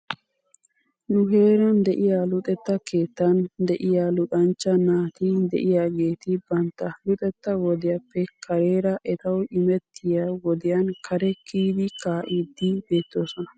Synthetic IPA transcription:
nʊɦe̞ːɾɐnd̪ɛʔɪjalʊt̪ʼɛt̪ːɐkʰe̞ːt̪ːɐnd̪ɛʔɪjalʊt̪ʼɐnt͡ʃːɐnaːt̪ɪd̪ɛ̰ʔɪjaːɡe̞ːt̪ɪbɐnt̪ːɐlʊt̪ʼɛt̪ːɐwɔd̪ɪjɐpːɛkʰɐɾe̞ːɾɐʔɛt̪ɐwɪmɛt̪ʰːɪjawɔd̪ɪjɐnkʰɐɾɛkʰiːd̪ɪkaːʔiːd̪ːɪbe̞ːt̪ːo̞ːsɔnɐ

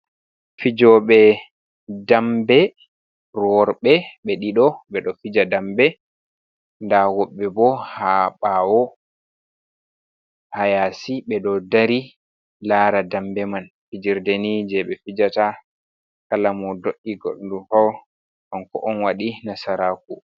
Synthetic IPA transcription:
fid͡ʒɔɓɛ | dambɛ | ɾɔɾɓɛɓɛɗiɗɔɓɛɗɔfid͡ʒadambɛ | ndawɔɓːɛbɔhaɓawɔ | hajasiɓɛɗɔdaɾi | laɾadambɛman | fid͡ʒiɾdenid͡ʒɛɓɛfid͡ʒata | kalamɔdoɗːiɡɔ̰ɗdufaw | ʔɔnkɔʔɔnwaɗinasaɾaku

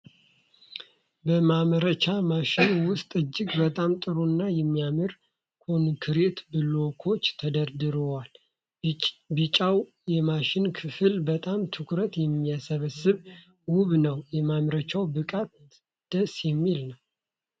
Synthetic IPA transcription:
bəmaməɾət͡ʃamaʃɪnwʊst̪ʼɨd͡ʒːɪɡbət̪ʼamt̪ʼɨɾonːajɛmːijamɨɾ | kʰonkʰɨɾe̞t̪bɨlo̞kʰo̞t͡ʃːt̪ʰəd̪əɾd̪ɨɾowal | bɨt͡ʃʼaw | jɛmaʃɪnkʰɨfɨlbət̪ʼamt̪ʰɨkʰɾət̪jɛmːiasəβəsːɨβ | wʊβnəwjɛmamɾət͡ʃawbɨkʼat̪ | d̪̥əsjɛmːilnəw

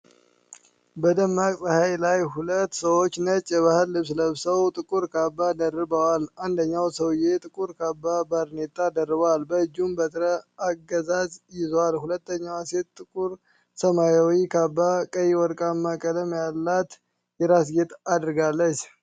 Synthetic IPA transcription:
bəd̪əmːakʼsʼəhajlajhulət̪ːsəwo̞t͡ʃːnət͡ʃʼːɛβahəlːɨβs̬ləβsəwt̪ʼɨkʼuɾkʰabːad̪ərːɨbəwaland̪əɲːawsəwjet̪ʼɨkʼuɾkabːabaɾnet̪ʼːad̪ərːɨβalbəɨd͡ʒːumbət̪ɾəaɡəzazjɪzowalhulət̪ːəɲːawase̞t̪t̪ʼːɨkʼuɾ | səmajawikʰabːakʼəjiwɔɾkʼamːakʼələmjalːat̪ | jɛɾasɡet̪ʰad̪ɾɨɡalːət͡ʃː

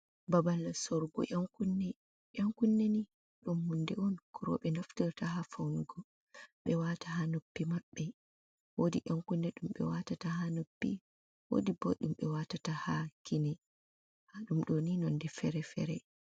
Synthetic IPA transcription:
babalːasɔɾɡɔ̰ʔaŋkunːɛ | ʔaŋkunːɛni | ɗɔmhɔndɛɔnkuɾɔ̰ɓɛnaftiɾtaɦafawnuɡɔ | ɓɛwataɦanopːimaɓːɛ | wodiʔaŋkunːɛɗumɓɛ̰watataɦanopːi | wo̰dibɔ̰ɗumɓɛwatatahakʰinɛ | haɗumɗoninɔndɛfɛɾɛfɛ̰ɾɛ

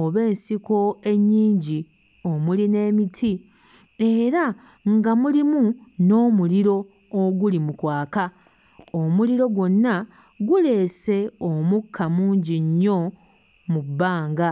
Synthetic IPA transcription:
oβe̞ːnsiko̞e̞ɲːiːɲɟi | o̞muline̞ːmitʰi | e̞ɾa | ŋɡamulimuno̞ːmuliɾo̞ː | ɡulimukwaːka | omuliɾo̞ɡwo̞nːa | ɡule̞ːse̞omukʰːamuːɲɟiɲːo̞ | mubːaːŋɡa

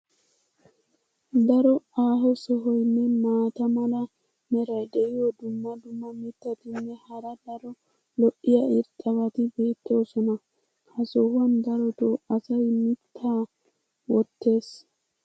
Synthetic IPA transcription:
d̪ɐɾɔaːɦɔsɔɦɔjnːɛmaːt̪ɐmɐlɐ | mɛɾɐjd̪ɛɪjɔd̪ʊmːɐd̪ʊmːɐmɪt̪ːɐt̪ɪnːɛhɐɾɐd̪ɐɾɔ | lɔʔɪjɐɪɾt̪ʼɐβɐt̪ɪbe̞ːt̪ːɛɔsɔnɐ | hɐsɔwɐnd̪ɐɾɔt̪oːɐsɐjmɪt̪ʰːaː | wɔt̪ːe̞ːs

